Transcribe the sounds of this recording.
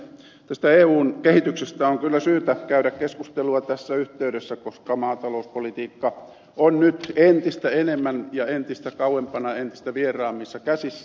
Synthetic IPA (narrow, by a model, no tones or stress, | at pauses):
t̪æst̪æeːuːnkehit̪yksest̪æoŋkylːæsyːt̪ækæyɾækkeskust̪eluɑt̪æsːæyht̪eyɾesːækoskɑmɑːt̪ɑlouspolit̪iːkːɑ | onnyt̪ent̪ist̪æenemːænjɑent̪ist̪ækɑuwempɑnɑent̪i̥st̪æʋierˑɑːmːisːɑkæsisːæ